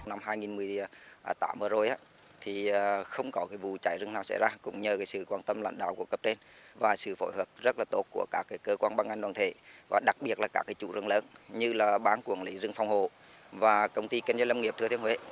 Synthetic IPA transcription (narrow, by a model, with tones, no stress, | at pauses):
na˧mɦaː˧jŋi˨˩nmɨ˨˩əj | ʔːt̪aː˨˦mvəː˨˩zo˨˩jʔaː˨˦ | t̪ʰi˨˩˨xə˧wŋ͡mkɔ˨˦kaː˨˦jvu˨t͡ɕaː˧˩jzɨ˧ŋnaː˨˩wsɛ̰˧˥jzaː˧kʊ̰˧˥ŋ͡mɲəː˨˩kaː˨˦jsɨ̰˧˨kwaː˧nt̪ə˧mla̰˧˥ŋ̟ɗa̰ː˧˨wku˧˩əkə˦˥p̚t͡ɕe˧n | vaː˨˩sɨ̰˧˨fo̰˧˦jhəː˨˩p̚zə˦˥t̚laː˨˩t̪o˦˥t̚ku˧˩əkaː˦˥kːaː˨˦jkəː˧kwaː˧nɓa˧nʔa˧jŋɗwaː˨nt̪ʰḛ˧˩vaː˨˩ɗa˨˩k̚ɓi˨˩ət̚laː˨˩kaː˦˥kːaː˨˦jt͡ɕṵ˧˩zɨ̰˧˩ŋləː˨˦nɲɨ˧laː˨˩ɓaː˨˦nkwi˧˩əŋli˨˦zɨ˧ŋfa˧wŋ͡mho˨ | vaː˨˩kə˧wŋ͡mt̪i˧kə˧nŋzə˧jlə˧ŋ͡mŋi˨˩əp̚t̪ɨ˧t̪ʰəŋwḛ˧˥˦